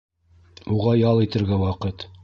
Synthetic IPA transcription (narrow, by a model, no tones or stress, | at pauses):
uʁɑjɑlˠit̪ɘ̆ɾɡæwɑqɤt̪